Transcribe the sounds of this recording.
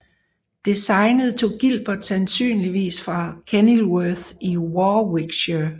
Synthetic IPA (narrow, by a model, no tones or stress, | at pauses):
d̥e̝sɑ̈ɪnəð̞̩ˠt͡sʰo̝̰ːɡ̥il̰b̥ɐd̥sænsy̰ːnliʋḭːsfʁɑ̈kʰenilwœθiwɒːweɡ̥ɕə